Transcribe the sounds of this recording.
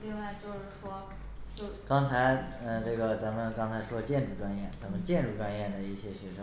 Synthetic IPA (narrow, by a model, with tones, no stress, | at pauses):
li˥˧ŋwa˥˩ɪt͡ɕjo˥˧ʊʂɻ̩˥˩ʂwɔ˥ | t͡ɕo˥˧kɑ˥ŋt͡sʰa˧˥ɪə˥˧ʈ͡ʂɤ˥˩ɡə˩t͡sa˧˥nmə˧˨nkɑ˥ŋt͡sʰa˧˥ɪʂwɔ˥t͡ɕjɛ˥˧nʈ͡ʂu˥˩ʈ͡ʂwa˥njɛ˥˩nt͡sa˧˥nmə˧˨nt͡ɕjɛ˥˧nʈ͡ʂu˥˩ʈ͡ʂwa˥njɛ˥˩d̪ə˩i˥˩ɕjɛ˥ɕɥɛ˧˥ʂɤ˧˥ŋ